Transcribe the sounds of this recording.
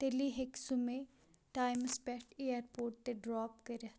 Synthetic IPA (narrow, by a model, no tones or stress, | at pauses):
t̪eliɦeksumẽ | ʈaːɪmspɛʈejəɾpoːɾʈ̚t̪eɖɾɔːp̚keɾɐ